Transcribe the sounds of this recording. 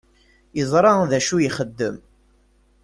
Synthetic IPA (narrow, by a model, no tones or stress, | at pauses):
jəzˤɾˤɑðæʃujiχəd̪ːəm